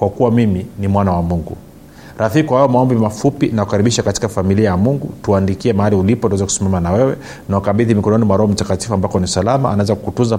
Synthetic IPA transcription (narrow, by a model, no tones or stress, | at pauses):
kwakuwamiminimwanawamuŋɡṵ | ɾafikwahajɔmaɔmbimafupinakukaɾiɓiʃakati̥kafamiliajamuŋɡutuaːndikiɛmahaliulipɔtaɛzaku̥simamanawɛwɛ | nawakaɓiðimikɔnɔnimwaɾɔɔm̩takati̥fuambakɔniusalamaanawɛzakukutunza